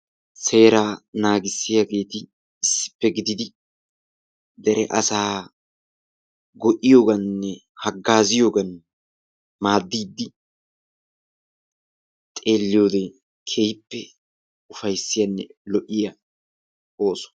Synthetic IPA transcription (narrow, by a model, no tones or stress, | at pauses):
se̞ːɾaːnaːɡɪsːɪjaɡe̞ːt̪ɪː | sːɪ̥pːɛɡɪd̪ɪd̪ɪ | d̪ɛɾɛ̰ʔɐsaː | ɡɔʔɪjo̞ːɡɐnːɛ | hɐɡːaːzɪjo̞ːɡɐn | maːd̪ːiːd̪ːɪ | t̪ʼe̞ːlːɪjo̞ːd̪ɛ | kʰejpːɛ | ʊfɐjsːɪjɐnːɛlɔʔɪjɐ | oːsɔ̥